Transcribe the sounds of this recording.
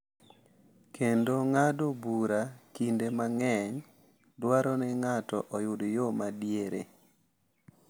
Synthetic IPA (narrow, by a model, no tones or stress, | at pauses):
kʰendoŋadobuɾakindemaŋɛŋ | dwaɾɔnɛŋatɔ̰ʔɔjʊdjomadjeɾḛ